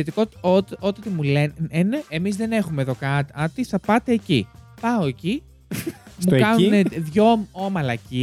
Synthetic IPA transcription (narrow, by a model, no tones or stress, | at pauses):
et̪ikoot̪ot̪iot̪emuleneʔemizðe̞ne̞xumeðo̞kɐɐt̪iθɐpɐt̪eːcḭpɐoe̞ci | smukɐnuneðʝoomɐlɐci